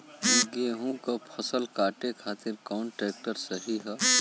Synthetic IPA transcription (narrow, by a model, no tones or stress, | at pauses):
ɡeɦũkapʰəsəlkaːʈekʰaːt̪ɪɾkaʊɳʈɾeːk̚ʈəɾsəɦiɦɛ